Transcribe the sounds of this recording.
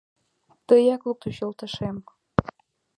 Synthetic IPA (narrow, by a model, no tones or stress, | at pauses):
t̪əjɑkluk̚t̪uɕolˠt̪ə̆ʃem